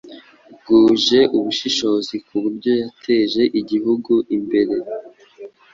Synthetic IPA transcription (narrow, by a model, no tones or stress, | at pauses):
ɡuːʒe̞ʔuβuʃiʃo̞zikuβuɾɟo̞jatʰe̞ːʒe̞ʔiɟihuɡuimbe̞ɾe̞